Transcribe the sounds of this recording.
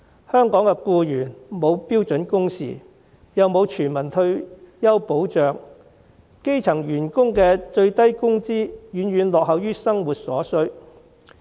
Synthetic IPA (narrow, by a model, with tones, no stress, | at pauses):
hœː˥ŋkɔː˨˥ŋkɛ˧kuː˧jyː˨˩nmo˨˧wpiː˥wt͡sɵ˨˥nkʊ˥ŋsḭː˨ | jɐ˨wmo˨˧wt͡ʃʰyː˨˩nmɐ˨˩nt̪ʰɵ˧ɥjɐ˥wpo˨˥wt͡ʃœː˨ŋ | ke˥jt͡sʰɐ˨˩ŋjyː˨˩nkʊ˥ŋkɛː˧t͡ʃɵ˧ɥt̪ɐ˥jkʊ˥ŋt͡siː˥jyː˨˧nɥyː˨˧nlɔː˨k̚hɐ˨wjyː˥sɐ˥ŋwuː˨t̚sɔ̰ː˨˥sɵ˥ɥ